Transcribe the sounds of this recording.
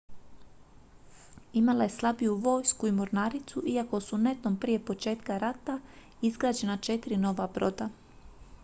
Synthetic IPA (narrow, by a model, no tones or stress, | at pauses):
imalaje̞slˠabijuʋo̞ːjskuimoɾnaːɾit̪suʔiako̞sune̞t̪nompɾije̞po̞t͡ʃe̞ːt̪kaɾat̪a | izɡɾaːd͡ʒe̞nat͡ʃe̞t̪iɾino̞ʋabɾo̞̰d̪a